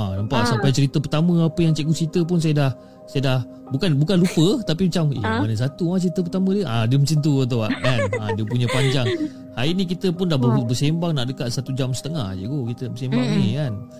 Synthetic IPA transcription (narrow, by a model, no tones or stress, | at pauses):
anampaʔsampajt͡ʃəɾit̪əpərt̪amə̃apəjaŋt͡ʃɛʔkut͡ʃit̪əp̬ʊns̬ajədah | sajədah | bukanbukanlupət̪apimat͡ʃamḭmanəs̬at̪umat͡ʃəɾit̪əp̬ərt̪amə̃diəʔadiəməsint̪uat̪̬awa̰ʔkanadiəpuɲãpaɲd͡ʒaŋ | haiʔnĩkit̪əpʊndahbəbəsembaŋnaʔdəkat̪̚sat̪ud͡ʒamsə̥t̪əŋahd͡ʒə̰ɡokit̪əbəsembaŋnikan